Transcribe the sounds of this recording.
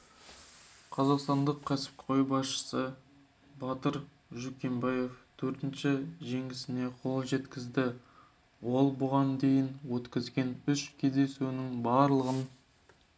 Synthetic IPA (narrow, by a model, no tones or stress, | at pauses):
qʰɑzɑqst̪ɑnd̪əqʰʲːæsɪ̥p̚ʰo̞jbɑsʃə̥sə | bɑt̪əɾ | ʒukʲe̞mbɑje̞ft̪ʰɵɾt̪ɪnʃɪʒe̞ŋɡʲɪsɪne̞qʰo̞lˠʒe̞t̪kʲɪzd̪ɪ | wo̞lˠbʊʁɑnd̪e̞jɪnwɵt̪kʲɪzɡʲe̞nʏʃkʲʰe̞zd̪e̞sunɪŋbɑɾlˠəʁən